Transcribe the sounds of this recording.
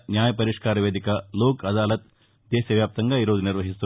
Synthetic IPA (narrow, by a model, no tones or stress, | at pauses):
njaːjɐpɐɾiʂkaːɾɐʋeːd̪ikɐloːkɐd̪aːlɐt̪ | d̪ɛːʃɐʋjaːp̚t̪ɐŋɡaːiːɾoːd͡ʒuniɾʋɐɦist̪u